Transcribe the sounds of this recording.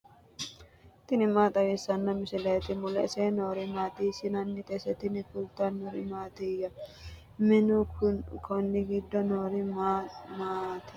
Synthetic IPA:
t̪ɪnɪmaːt̪ʼɐwesːɐnːɐmɪsɪleːt̪ɪmʊlɛ̰senoːɾɪmaːt̪iːsɪnɐnːɪt̪ʼɛsɛt̪ɪnɪkʊlt̪anːɔɾɪmaːt̪iːjɐ | mɪnʊkkʰɔnːɪɡɪd̪ːɔnoːɾɪmamaːt̪ɪ̥

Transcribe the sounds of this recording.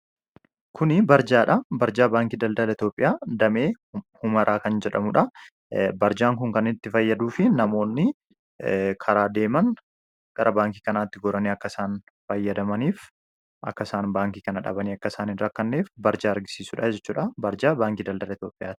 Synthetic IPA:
kʰʊnɪbɐɾd͡ʒaːᶑɐbɐɾd͡ʒaːbaːŋkiːd̪ɐld̪ɐlɐɪt̪jo̞ːpʼːɪjaːd̪ɐme̞ː | hʊmɐɾʔaːkɐnd͡ʒɛᶑɐ̰mʊᶑɐ | bɐɾd͡ʒaːŋk̬ʊŋkɐnɪt̪ːɪfɐjːɐd̪uːfɪnɐmo̞ːnːɪ | kʰɐɾaːd̪e̞ːmɐn | ɡ̥ɐɾʔɐbaːŋkiːkɐnaːt̪ːɪɡɔɾɐniːɐkːɐsaːn | fɐjːɐd̪ɐmɐniːf | ʔɐ̰kːɐsaːnbaːŋkiːkɐnɐᶑɐ̰bɐniːɐkːɐsaːnɪnɾɐkːɐnːeːfbɐɾd͡ʒaːɐɾɡɪ̥siːsʊːᶑɐd͡ʒɛt͡ʃːuːᶑɐbɐɾd͡ʒaːbaːŋkiːd̪ɐld̪ɐlɐɪt̪jo̞ːpʼɪjaːt̪ɪ̥

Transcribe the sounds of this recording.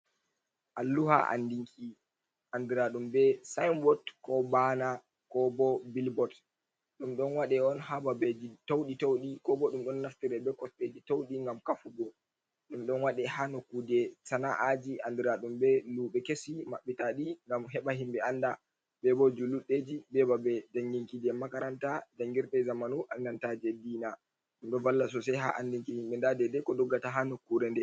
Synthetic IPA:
ʔalːuha̰ʔa̰ndiŋkʰi | ʔandiɾaɗumbɛsajmbɔtkɔbana | kɔbɔbilbɔt | ɗumɗɔnwaɗɛɔnhababed͡ʒitowɗitowɗikɔbɔɗumɗɔnːaftiɾɛbɛkɔsted͡ʒitowɗiŋɡamkafuɡɔ | ɗumɗɔnwaɗɛhanokːudɛsanaʔad͡ʒiʔandiɾaɗumbɛluɓɛkesimaɓːitaɗiŋɡamɦɛɓaɦimɓɛanda | bɛbɔd͡ʒuluɗːed͡ʒibɛbabɛd͡ʒaŋɡiŋkidɛmakaɾantad͡ʒaŋɡiɾɗɛzamanuʔanːantad͡ʒɛdiːna | ɗumɗɔnvalːas̬ɔsɛɦa̰ʔandiŋkihimɓɛndadɛdɛkɔdɔɡːataɦanokːuɾɛndɛ

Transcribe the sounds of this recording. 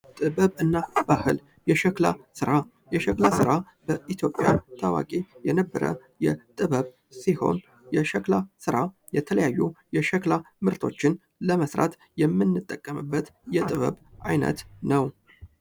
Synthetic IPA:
t̪ʼɨbəβɨnːab̥ahɨl | jɛʃəklasɨɾa | jɛʃəklasɨɾa | b̥əʔit̪ʰjo̞pʼːja̰t̪ʰawa̰kʼejɛnəbːə̰ɾə̰ | jɛt̪ʼɨβəβ | siho̞̰n | jɛʃəklasɨɾa | jɛt̪ʰələjajːujɛʃəkla | mɨɾt̪ʰo̞̰t͡ʃːɪn | ləməsɾa̰t̪ | jɛmːɨnːɨt̪ʼːəkʼːəmɨbːət̪jɛt̪ʼɨβə̰βʔajnə̰t̪nəw

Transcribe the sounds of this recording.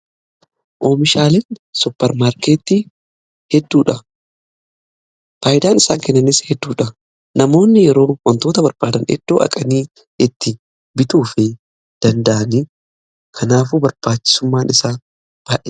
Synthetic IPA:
ʔo̞ːmɪʃaːlɛnsʊpːɛɾmaːɾkeːt̪ːi | hɛd̪ːuːᶑɐ | faːjɪd̪aːnɪsaːŋkɛnːɐnɪshɛd̪ːuːᶑɐ | nɐmo̞ːnːɪjɛɾo̞ːwɐnt̪oːt̪ɐbɐɾb̥aːd̪ɐnɛ̰d̪̥ːo̞ːʔɐ̰kʼɐniː | ɪt̪ːɪ | bɪt̪uːfɛ | d̪̥ɐnd̪ɐʔɐni | kʰɐnaːfuːbɐɾb̥aːt͡ʃːɪ̥sʊmːaːnɪsaː | b̥aːʔɛ

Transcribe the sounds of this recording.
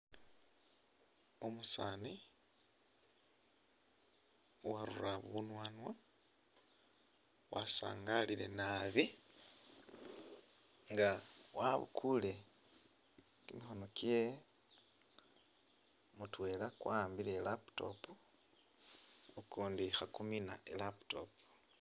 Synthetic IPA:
omusaːni | waɾṵraβunwaːnwa | wʔasa̰ːŋɡaliɾe̞naβi | ŋɡawaβṵkʰule̞ | kimixo̞no̞ke | mutwe̞ːlakwaːmbilelapto̞̰pu | ukuːndixakumina̰ʔelaptopu̥

